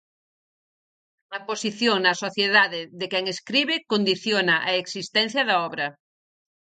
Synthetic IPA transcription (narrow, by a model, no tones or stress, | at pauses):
ɐposiθjoŋnɐsoθjeðaðeðekɛŋeskɾiβekond̪iθjonaʔaeksist̪ɛ̃n̟θjɐðaɔβɾɐ